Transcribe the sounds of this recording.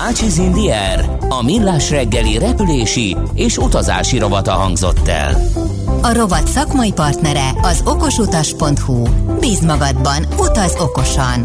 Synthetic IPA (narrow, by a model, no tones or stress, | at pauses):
at͡ʃizind̪iɛ | r | ɒmilːaːʃrɛɡːɛliɾɛpyleːʃieːʃut̪ɒza̰ːʃiɾo̞bɒt̪ɒɦɒŋɡzo̞̰t̪ːɛ̰l | ɒɾo̞bɒt̪sɒkmɒjipɒrt̪nɛɾɛɒzo̞ko̞ʃut̪ɒʃpo̞nt̪hubiːzmɒɡɒd̪bɒnut̪ɒzo̞ko̞ʃɒn